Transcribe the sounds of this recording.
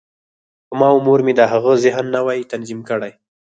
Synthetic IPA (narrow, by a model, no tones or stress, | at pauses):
mɑʊmoɾmed̪əɦaɣəzɪɦənːawɑjit̪anzimkəɽaj